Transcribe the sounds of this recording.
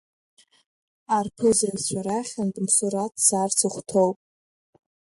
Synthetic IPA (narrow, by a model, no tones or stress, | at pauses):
arpʰɨzat͡ɕʷʰaɾaχʲantʼmsuɾatʰsart͡sʰɨχʷtʰo̞wpʼ